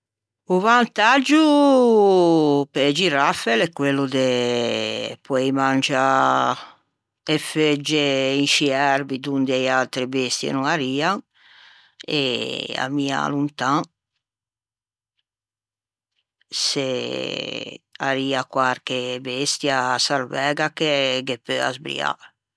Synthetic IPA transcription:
uvant̪ad͡ʒːu | pɛd͡ʒiɾafɛlɛkːwelːud̪e | pɔɛjmand͡ʒa | efed͡ʒːeinʃiɛɾbid̪und̪eialt̪ɾebest̪jḛnuŋaɾiːaŋ | ḛa̰mia̰lunt̪ãŋ | se | a̰ɾiːakwaɾkebest̪jasaɾvɛːɡakeɡepøa̰zbɾḭa̰

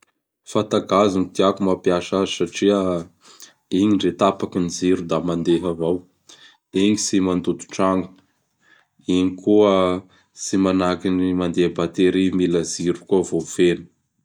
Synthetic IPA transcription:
fant̪aɡazunit̪iakumapjaʃazisaʈ͡ʂiə | iŋiɳɖ͡ʐet̪apakiniziɾud̪amand̪eɦavow | eŋisimand̪ut̪u̥ʈ͡ʂaŋɡu̥ | iɲikuə | simanakinimand̪ebat̪eɾimiləziɾukuəvofenə̥

